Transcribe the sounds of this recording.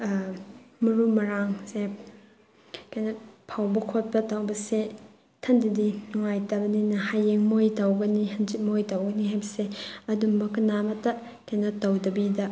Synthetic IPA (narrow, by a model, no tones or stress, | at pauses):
mɐɾumɐɾaŋse | kajnɐpʰawbɐkʰot̚pɐtɐwbɐse | tʰɐndidinɔŋajtɐbɐninɐhajeŋmojtɐwɡɐniɦɐnd͡ʒit̚mojtɐwɡɐniɦhajbɐseɐdumbɐkɐnamɐtɐ | kajnɐtɐwdɐbidɐ